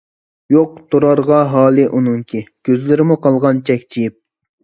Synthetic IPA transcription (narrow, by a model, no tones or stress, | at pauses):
joq̚t̪ʰuɾɑɾʁɑɦɑːlˠɨʔunɨŋkʲʰiɡ̥ʲøzlɪɾɪmuqʰɑlˠʁɑnt͡ʃʰɛkʲt͡ʃʰijip̚